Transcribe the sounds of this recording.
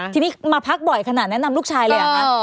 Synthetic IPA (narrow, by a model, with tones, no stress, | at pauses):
t̪ʰiː˧niː˦˥maː˧pʰa˦˥k̚bɔ˨˩jkʰa˧naː˨˩nɛ˦˥na˧mluː˥˩t͡ɕʰaː˧jlɤː˧ja˨a˦˥